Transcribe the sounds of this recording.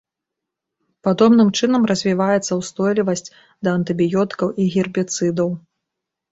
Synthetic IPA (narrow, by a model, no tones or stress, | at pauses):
pad̪ɔbnɨmt͡ʂɨnɐmrɐzʲvʲivajɛt̪sːɐwst̪ɔjlʲivɐsʲt͡sʲ | d̪ɐɐnt̪ɨbʲijɔt̪ɨ̥kɐwʔiɣʲirbʲit̪sɨd̪ɐw